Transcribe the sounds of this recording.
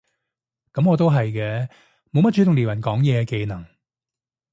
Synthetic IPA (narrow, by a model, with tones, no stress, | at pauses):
kɐ˨˥mŋɔː˨˧t̪̬o˥wɦɐ˨jkɛː˧ | mo˨˧wmɐ˥t̚t͡ʃʰy˨˥t̪ʊ˨ŋliː˨˩wɐ˨˩nkɔː˨˥ŋjɛː˨˧ke˧jnɐ˨˩ŋ